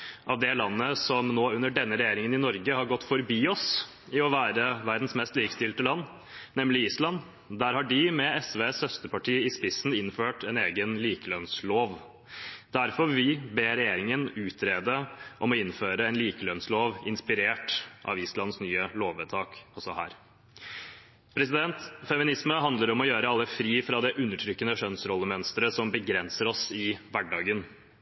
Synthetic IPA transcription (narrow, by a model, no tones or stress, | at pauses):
ʔɑʋd̪ɛlɑnːəsɔmnoːʉnːəɖɛnːəɾɛjeːɾɪŋənɪnɔɾɡəhɑɾɡɔt̪ːfɔɾbiːɔs | ɪɔʋæːɾəʋæɾd̪n̩smɛst̪liːkə̥st̪ɪlt̪əlɑnː | nɛmlɪiːslɑnː | d̪æɾhɑɖɪmɛɛsʋeːshœst̪əpɑʈʰiːɪspɪsn̩ɪnføːʈʰɛneːɡənliːkəlœnsloːʋ | d̪̥æɾfɔɾʋɪbeːɾɛjeːɾɪŋənʉːt̪ʰɾeːd̪əʔɔmɔɪnføːɾəɛnliːkəlœnsloːʋɪnspɪɾeːʈʔɑ̰ːʋiːslɑnsnyːəloːʋət̪ʰɑːkɔsɔhæ̰ːɾ | pʰɾɛsɪd̪ɛnt̪fɛmɪnɪsməɦɑnd̪ləɾɔmɔjøːɾəɑlːəfɾiːfɾɑd̪ɛʔʉnːəʈʰɾʏkːənəʂœnsɾɔlːəmœnst̪əɾəsɔmbəɡɾɛnsəɾɔsɪʋæɖɑːɡən